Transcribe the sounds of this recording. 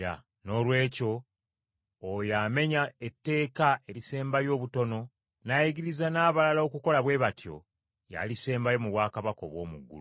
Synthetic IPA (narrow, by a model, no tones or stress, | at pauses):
a̰ | no̞ːlwe̞ːco̞ | jame̞ɲaetːe̞ːkae̞ɾise̞ːmbajo̞ːβuto̞no̞ | najiɡiɾizanaːβalalo̞ːkuko̞laβwe̞βatjo̞̰ | ja̰lise̞ːmbajo̞muβwaːkaβako̞̰βwo̞̰ːmuɡːṵ